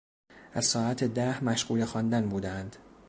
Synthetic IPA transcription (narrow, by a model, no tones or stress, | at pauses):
ʔæz̥sɒːæt̪ʰed̪æhmæʃɢ̥uːlexɒnd̪ænbuːd̪eænd̪̥